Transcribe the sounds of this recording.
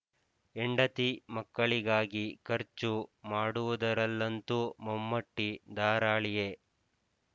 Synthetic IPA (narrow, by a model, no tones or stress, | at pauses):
eɳɖɐt̪imɐkːɐɭiɡaːɡikɐɾt͡ʃumaːɽuʋud̪ɐɾɐlːɐnt̪umɐmːɐʈːid̪aːɾaːɭije